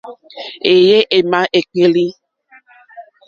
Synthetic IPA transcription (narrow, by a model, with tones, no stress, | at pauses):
e˨je˦ʔe˨mã˨ʔe˨k͡pe˦li˦